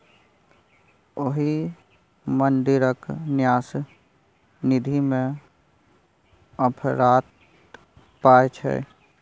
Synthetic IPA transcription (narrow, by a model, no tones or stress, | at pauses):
oɦi | mənd̪ɪɾəknjaːs | nɪd̪ʱimẽ | əpʰɾaːt̪ | paːet͡ʃʰɛ̰